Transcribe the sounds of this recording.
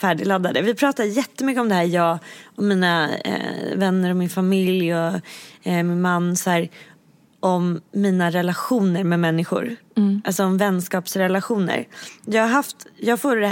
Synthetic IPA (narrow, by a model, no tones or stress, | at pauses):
fæːɖɪlad̪ːad̪əvɪpʰɾɑːt̪ajɛt̪ːəmʏkːəɔmd̪ɛhæːɾjɑːɡɔmːiːna̰ | vɛnːəɾɔmɪnfamɪljɔ | mɪnmanːshæːɾ | ʔɔmːiːnaɾɛlaɧuːnəɾmɛmɛnːɪɧʊ̰ɾalsɔɔmvɛnːskɑːpsɾɛlaɧuːnə̰ɾjɑːɡaɦaft̪jɑːɡɡfoːɛ